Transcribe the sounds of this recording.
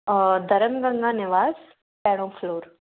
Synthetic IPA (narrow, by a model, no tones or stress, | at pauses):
d̪ʱəɾəmɡə̃ŋɡanɪʋaːz | pɛɽ̃õːfloːɾ